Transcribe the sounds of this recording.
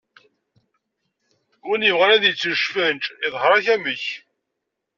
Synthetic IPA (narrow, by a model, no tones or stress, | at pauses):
ɡunjəvʁæɾæðjət͡sːəʃfənt͡ʃiðˤhɾˤæçæməç